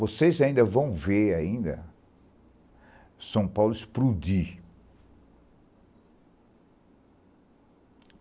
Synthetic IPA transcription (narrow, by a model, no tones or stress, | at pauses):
vosejzaĩnd̪ɐvɐ̃w̃veaĩnd̪ɐ̰ | sɐ̃w̃pawlʊɪspɾud̪i